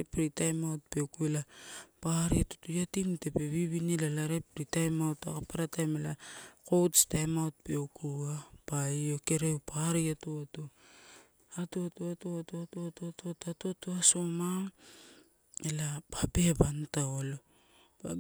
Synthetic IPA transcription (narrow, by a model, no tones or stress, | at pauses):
pɾitajmawt̚pe̞wkuelapaɾiatu̥tujatimte̞pe̞βiβinilalaɾepɾitajmawta̰kapaɾatajmelako̞wtstajmawt̚pe̞wkuapaio̞ke̞ɾewpʰaɾiatuato | atuatuatuatoatuatoatuatatuatoasomaŋ | elapape̞bantaolo | pa